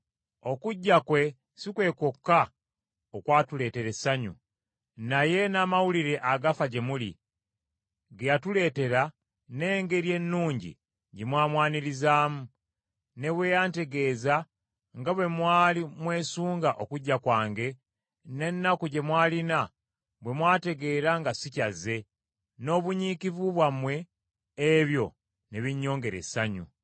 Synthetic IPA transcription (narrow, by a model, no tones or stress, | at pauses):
o̞kuɟːakwe̞ | sikwe̞ːko̞kːa | okwaːtule̞ːte̞ɾe̞saɲṵ | naje̞naːmawuliɾe̞ʔaɡafaɟe̞mulḭ | ɡejatule̞ːte̞ɾa | neːŋɡe̞ɾje̞nːuːɲɟḭ | ɟemwaːmwaːniɾizaːmu | ne̞βwe̞ːjaːnte̞ɡe̞ːza | ŋɡaβwe̞mwaːlimwe̞ːsuːŋɡaʔo̞kuɟːakwaːŋɡe̞ | ne̞nːakuɟe̞mwaːlina | βwe̞mwaːte̞ɡe̞ːɾaŋɡasicazːe̞ | no̞ːβuɲiːkivuβwamwe̞ː | βjo̞ | ne̞βiɲːo̞ːŋɡe̞ɾe̞̰saɲṵ